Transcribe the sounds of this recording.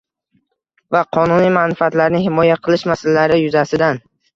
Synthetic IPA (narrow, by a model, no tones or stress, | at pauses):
vaqʰɒnunijmanfat̪laɾnɪhɪmɒjaqʰɨlˠɪʃmasalalaɾɪjʊzasɪd̪an